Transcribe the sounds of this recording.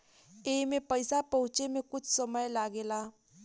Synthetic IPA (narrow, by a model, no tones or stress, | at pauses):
emepəjsapəɦũt͡ʃemekʊt͡ʃʰsəməjlaɡela